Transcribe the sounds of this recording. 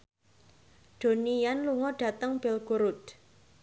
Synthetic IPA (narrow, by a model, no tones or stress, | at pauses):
ɖ̪̥o̤nijanluŋɔɖ̥ä̤t̪əŋb̥ɛlɡ̥uɾut̪̚